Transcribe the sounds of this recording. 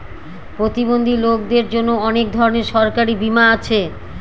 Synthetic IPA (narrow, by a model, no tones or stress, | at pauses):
pɾot̪ibond̪ʱilok̚d̪eɾd͡ʑonːoɔnek̚d̪ʱɔɾoneɾʃɔɾkaɾibimaat͡ɕʰe